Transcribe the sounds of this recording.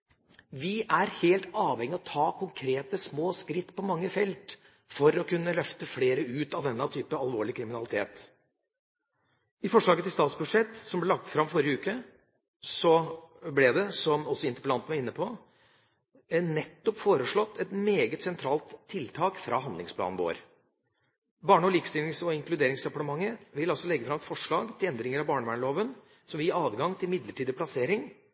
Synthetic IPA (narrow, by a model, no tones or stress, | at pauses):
ʋɪʔæɾheːlt̪ɑːʋhɛŋːɪɔt̪ʰɑːkʰʊŋkʰɾeːt̪əsmoːskɾɪt̪ːpʰɔmɑŋːəfɛlt̪ | fɔɾɔkʰʉnːəlœft̪əfleːɾəʉːt̪ɑʋd̪ɛnːət̪ʰyːpəɑlʋoːɭɪkʰɾɪmɪnɑlɪt̪ʰḛːt̪ | ɪfɔʂɭɑːɡət̪ɪlst̪ɑːt̪sbʉʂɛt̪ːsɔmblɛlɑk̚t̪fɾɑmfɔɾjəʉːkə | sɔblɛd̪ɛsɔmɔsːɔɪnt̪əɾpəlɑnt̪əmɛɪnːəpʰɔ | nɛt̪ːɔpfoːɾəʂɭɔt̪ːɛt̪meːɡət̪sɛnt̪ʰɾɑːlt̪ʰːɪlt̪ʰɑːkfɾʔɑ̰ɦɑnd̪lɪŋspʰlɑ̰ːnn̩ʋo̰ːɾ | bɑːɳəɔliːkə̥st̪ɪlnɪŋsɔɪŋklʉd̪eːɾɪŋsɛpɑɳəmɑŋːəʋɪlɑlsɔlɛɡːəfɾɑmɛt̪fɔʂɭɑːɡt̪ʰɪlɛnd̪ɾɪŋəɾɑbɑːɳəʋæːɳloːʋən | sɔmʋɪjiːɑːdɡɑŋt̪ʰɪlmɪd̪ləʈʰiːd̪əpʰlɑseːɾɪŋ